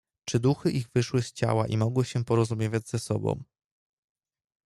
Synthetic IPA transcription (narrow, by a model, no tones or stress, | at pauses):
t͡ʂɘd̪uxɘʔiɣvɘʂwɘst͡ɕa̰waʔimɔɡwɘɕɛpɔɾɔzumʲjevʲad͡ʑz̥ɛsɔ̰bɔ̰̃w̃